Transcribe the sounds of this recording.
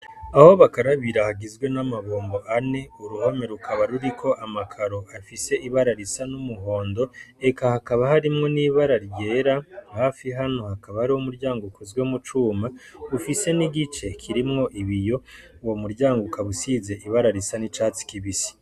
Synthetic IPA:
aho̞βakaɾaβiɾahaɡizɡwenamaβoːmbo̞ʔane̞uɾuho̞me̞ɾukaβaɾuɾikʰo̞ʔamakʰaɾo̞ʔafise̞ʔiβaɾaɾisanumuɦo̞ːndo̞e̞kahakaβahaɾimŋo̞niːβaɾaɾje̞ːɾahaːfiɦano̞hakaβahaɾiwomuɾɟaːŋɡoukʰozweumut͡ʃuːmaufise̞niɡit͡ʃe̞kʰiɾimŋo̞ʔiβijo̞womuɾɟaːŋɡoukaβusize̞ʔiβaɾaɾisanit͡ʃaːt͡si̥kiβisi̥

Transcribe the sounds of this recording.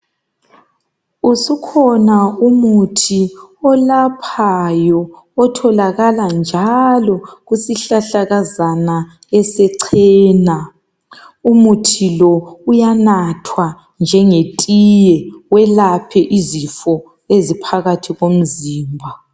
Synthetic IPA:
usukʰɔnaumutʰiɔlapʰajɔː | tʰɔlaɣaland͡ʒʱalɔɣusiɬaɬaɣazana | ɛsɛǀʰɛːna | umutʰilɔujanatʰwa | nd͡ʒʱɛŋetʼijɛwɛlapʰɛʔizifɔ | ezipʰaɣatʰiɣom̩ziːmbʱa

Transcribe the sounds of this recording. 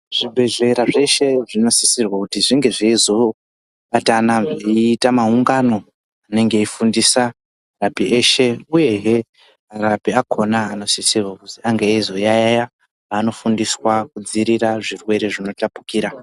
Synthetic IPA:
ʐ̥ibʱe̞ʐe̞ɾaʐe̞ʃe̞ʐino̞sisirwakutiʐiŋɡe̞ʐeizo̞ | ɓatanaʐeiːtamauŋɡano̞ | ane̞ŋɡe̞ifundisa | rapiʔeːʃe̞uje̞ɦe | aɾapiakʰo̞naːno̞sisirwakutiaŋɡeizo̞jajaja | ano̞fundiswakud͡ziɾiɾaʐirwe̞ɾe̞ʐino̞tapu̥kiːɾa

